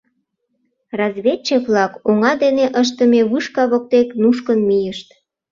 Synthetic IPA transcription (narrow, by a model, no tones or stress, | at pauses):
rɑzβʲet͡ɕːeβlɑkoŋɑd̪eneʔəʃ̬t̪əmeβɨʃkɑβok̚t̪eknuʃ̬kənmijəʃt̪